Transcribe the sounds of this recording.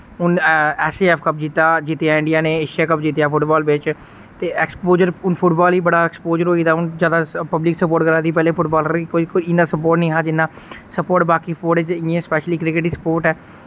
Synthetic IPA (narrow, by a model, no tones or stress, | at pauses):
ʊnɛːseːɛːpʰkəp̚d͡ʒiːt̪aːd͡ʒit̪ejaːɪ̃ɳɖɪjaːneːeʃaːkəp̚d͡ʒiːt̪ejaːpʰʊʈbaːlbɪt͡ʃ | t̪eːɛkspoːd͡ʒəɾʊnpʰʊʈbaːliːbəɽaːɛkspoːd͡ʒəɾɦoːiːd̪aːʊnzjaːd̪aːpəblɪksəpoːɾʈkəɾaːd̪iːpɛːleːpʰʊʈbaːləɾiːkoːiːkoiɪnaːsəpoːɾʈnĩːɦaːd͡ʒɪnːaː | səpoːɾʈbaːkiːspoːɾʈed͡ʒẽːspɛːʃliːkɾɪkɪʈiːsə̥poːɾʈɛː